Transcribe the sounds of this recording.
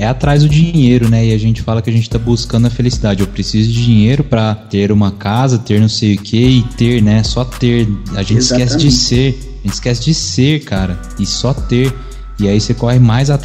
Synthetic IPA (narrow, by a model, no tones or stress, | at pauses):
ɛat̪ɾajzd̪ʊd͡ʒĩejɾʊnɛɪaʒẽnt͡ʃɪ̥falɐkɪɐʒẽnt͡ʃɪt̪abuskɐ̃nd̪ʊɐfelisid̪ad͡ʒɪewpɾesizʊd͡ʒɪd͡ʒiɲejɾʊpɾɐt̪eɾũmɐkazɐt̪eɾnɐ̃w̃sejʊkʰeɪt̪eɾnɛsɔt̪eɾa̰ʒẽnt͡ʃɪskɛsɪd͡ʒɪseɾ | aʒẽnt͡ʃɪ̥skɛsɪd͡ʒɪseɾkʰaɾɐ | ɪsɔt̪eɾ | ɪaisekɔhɪmajzat̪